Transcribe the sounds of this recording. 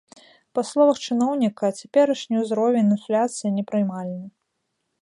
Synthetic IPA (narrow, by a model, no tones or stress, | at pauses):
pɐslˠɔvɐxt͡ʂɨnɔwnʲikɐt͡sʲapʲɛɾɐʂnʲijuzɾɔvʲɛnʲɨnflʲat̪sɨjɐnʲɛpɾɨjmalʲnɐ